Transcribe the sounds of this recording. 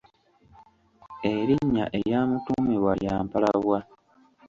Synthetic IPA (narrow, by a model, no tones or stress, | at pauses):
eɾiɲːa̰ʔejaːmutumewajaːmpalaβwa